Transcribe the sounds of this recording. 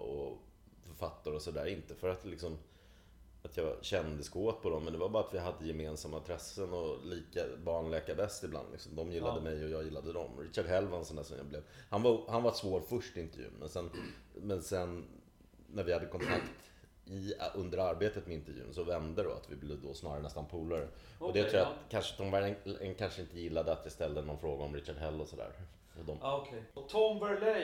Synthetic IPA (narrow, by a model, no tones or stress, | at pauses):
ɔ̰ | fœɾfat̪ːaɾəɔsɔd̪æ̰ːɾɪnt̪əfœɾat̪lɪksɔm | at̪ʰjɑːɕɛnd̪ɪskoːt̪̚pʰɔd̪ɔmːɛnd̪ɛvabɑːɾat̪vɪɦad̪ːəjɛmeːnsamːaɪnt̪ʰɾɛsːənɔliːkabɑːɳɭɛːkabɛst̪ɪbla̰nd̪lɪksɔmd̪ɔmjɪlːad̪əmɛjɔjɑːjɪlːad̪əd̪ɔ̰mɾɪɕaɖɦɛlvansɔnd̪æːʂɔmja̰blɛvhanvahanvasvoːɾfɵʂʈɪɪnt̪əɾvjʉ̰ːnmʔɛ̰nsɛnːmɛnsɛnː | æɾvɪhad̪ːəkʰɔnt̪ʰakt̪ | ɪɵnd̪əɾaɾbeːt̪ət̪mɛɪnt̪əɾvjʉ̰ːnsɔvɛnd̪əd̪ɔ̰a̰t̪vɪblevd̪ɔsnɑ̰ːɾaɾənɛst̪anpʰuːlaɾə | ɔd̪ɛt̪ʰɾuːjat̪kʰanʂət̪ɔmvæɛnkʰanʂəɪnt̪əjɪlːad̪əat̪vɪst̪ɛld̪ənɔnfɾoːɡaɔmɾɪɕaɖɦɛlːɔsɔd̪æ̰ːɾ | ɔd̪ɔmkʰt̪ʰɔmvœlɛ